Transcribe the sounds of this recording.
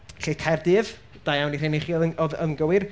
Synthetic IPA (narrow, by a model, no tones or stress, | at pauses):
ɬetʰɛrdɪv | d̥ajawnireneχiɔðɔðə̰ŋɡəwɪr